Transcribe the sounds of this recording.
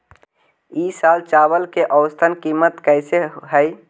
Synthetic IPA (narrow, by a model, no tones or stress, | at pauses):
isaːlt͡ʃaːbəlkeʔəʊst̪ʰənkimət̪kəɪseɦəj